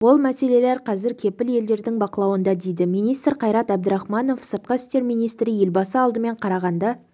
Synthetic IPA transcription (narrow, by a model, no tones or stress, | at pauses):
wo̞lˠmæse̞le̞leɾqʰɑzɪɾkʲʰe̞pɪlje̞ld̪e̞ɾd̪ɪŋbɑqəlˠɑwənd̪ɑd̪e̞jd̪ɪmijnijst̪rqʰɑjɾɑt̪æb̚d̪əɾɑχmɑno̞fsəɾt̪̚qɑɪst̪e̞ɾmijnijst̪ɾɪje̞lbɑsəɑlˠd̪əme̞ɴqʰɑɾɑʁɑnd̪ɑ